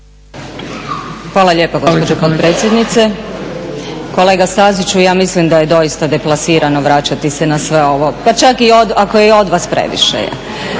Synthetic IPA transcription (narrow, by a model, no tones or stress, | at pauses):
xʋaːlˠaʎʲe̞ːpoɡospod͡ʒopot̪̚pɾe̞ːt̪sjed̪nit̪se̞ | ko̞le̞ːɡast̪azit͡ʃujaːmislimd̪aje̞d̪o̞jist̪ad̪e̞plˠasiːɾano̞ʋɾat͡ɕat̪isenasʋe̞o̞ʋo̞pat͡ʃakiod̪akojeo̞d̪ʋaspɾḛʋḭʃḛ